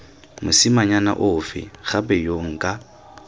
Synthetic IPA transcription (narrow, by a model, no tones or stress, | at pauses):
mʊsɪmaɲana̰ʔʊfɪ̰ɣapɛjoŋ̩kʼa